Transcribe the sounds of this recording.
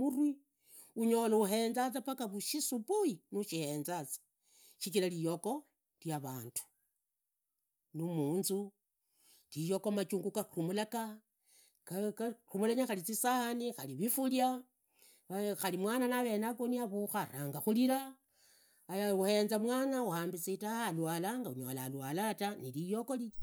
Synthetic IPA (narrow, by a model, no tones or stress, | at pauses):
urwi | uɲo̞louɦe̞nd͡zat͡sapakaβuʃisupujinuʃihe̞nzat͡sḁ | ʃit͡ʃilalijoko̞ | ljaβaːntu̥ | numuːnzu | lijokomat͡ʃuːŋɡukarumulaka | krumulaɲaxalit͡sisahanixaliβifulja | axalimwananaβe̞nakoniaβuxaraŋɡaxuliɾa | jauhe̞nzamwaːnauhaːmbit͡sitahalwalaŋɡauɲolalwalatanilijo̞ko̞li